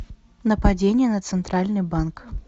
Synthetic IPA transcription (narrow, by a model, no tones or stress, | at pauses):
nəpɐd͡zʲenʲɪjənət̪sɨnt̪ɾalʲnɨjbank